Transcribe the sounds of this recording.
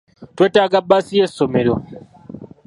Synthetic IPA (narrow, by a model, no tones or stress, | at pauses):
tetaɡabːasiesomeɾo